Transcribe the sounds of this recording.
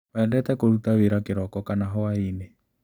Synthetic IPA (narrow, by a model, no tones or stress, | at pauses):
βɛːndɛtɛkoɾutaweɾakeɾɔkɔkanaɦɔwaine